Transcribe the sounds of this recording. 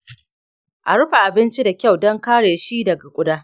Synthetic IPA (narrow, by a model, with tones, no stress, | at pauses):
ʔa˨ɽʊ˦ɸa˨ʔa˨bɪ˦nt͡ʃi˦da˨kʲa˦˨wdɔ˦ŋkaː˦ɽeː˨ʃi˦dɐ˨ɡa˨kʷʼʊ˦daː˦